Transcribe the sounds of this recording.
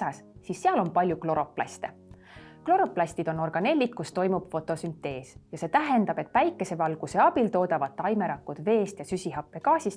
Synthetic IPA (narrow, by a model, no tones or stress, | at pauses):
ɑssisːeɑlo̞npɑlʲjuklo̞ɾo̞plɑ̰st̪e | klo̞ɾo̞plɑsʲt̪id̪o̞no̞rɡ̥ɑne̞lʲːik̪kust̪o̞jmub̥fo̞t̪ːˑo̞synt̪ːˑe̞ːsjɑse̞ːt̪æɦe̞nd̪ɑb̥e̞t̪ːvæjkːˑe̞se̞vɑlɡ̥useɑb̥ilt̪o̞ːd̪ɑvɑd̪̥̚t̪ːɑjme̞ɾɑkːˑud̪̥ve̞ːst̪jɑsysʲiɦɑpːe̞kɑːsist̪